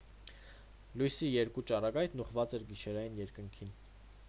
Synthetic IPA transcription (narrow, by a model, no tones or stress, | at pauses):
lujsijɛɾkut͡ʃɑrɑɡɑjt̪nuχvɑt͡sɛɾɡiʃɛɾɑjinjɛɾkəŋkʰin